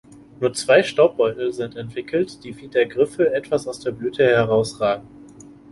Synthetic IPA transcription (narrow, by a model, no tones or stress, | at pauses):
nuːɐt͡sv̥aɪʃtaʊp̚b̥ɔʏtl̩zɪntɛntv̥ɪkl̩td̥iːviːdɐɡʁɪfəʔɛtv̥asaʊsd̥eːɐblyːtʰəhɛʁaʊsʁaːɡŋ̩